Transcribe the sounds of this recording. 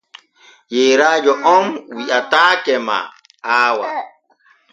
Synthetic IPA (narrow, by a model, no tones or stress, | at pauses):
jeːɾaːd͡ʒɔʔɔmwiʔataːkɛma̰ | aːwa̰